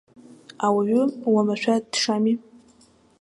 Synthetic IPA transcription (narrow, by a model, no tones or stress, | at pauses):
awaɥʏwamaʃʷᶣʰadʂami